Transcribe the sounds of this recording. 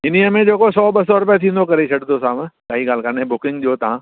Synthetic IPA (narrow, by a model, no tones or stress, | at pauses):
ɪn̤iəmẽd͡ʑeːkosɔːɓɐsɔɾʊpjet̪ʰĩːnd̪okɐɾet͡ɕʰɐɖt̪ʰosaːbsaːiɡaːlkaɾnẽbʊkɪ̃ŋɡʄoːt̪ɐã